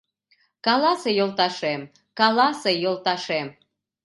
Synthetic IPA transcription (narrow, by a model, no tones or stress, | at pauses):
kɑlɑsejolˠt̪ɑʃem | kɑlɑsejolˠt̪ɑʃem